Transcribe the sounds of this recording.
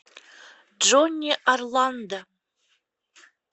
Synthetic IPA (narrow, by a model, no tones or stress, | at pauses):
d͡ʒonʲːiʔarland̪a